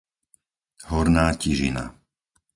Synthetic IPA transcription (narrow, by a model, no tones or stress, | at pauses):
hɔɾnaːciʒḭna̰